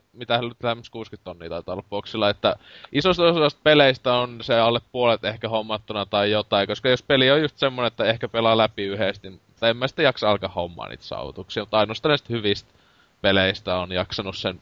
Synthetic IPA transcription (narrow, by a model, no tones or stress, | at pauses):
mit̪æhnyt̪læhemːæskuːskyt̪t̪onːḭːt̪ɑˑit̪ɑˑolːɑppuoksilːˑɑet̪ːæʔisost̪osɑst̪̚peleist̪æonseɑlːeppuolet̪ehkæhomːɑt̪ːunɑt̪ɑijot̪ɑikoskɑjospeliojjust̪semːonenet̪ːæehkæpelɑlæpiyhest̪nimmut̪ːɑemːæsi̥t̪ːejɑksɑɑlkɑhhomːɑ̰ːnḭːt̪sɑ̰ːʋṵt̪uksiːɑmut̪ɑinost̪ɑˑnæˑist̪hyʋist̪ | peleist̪æonjɑksɑnussen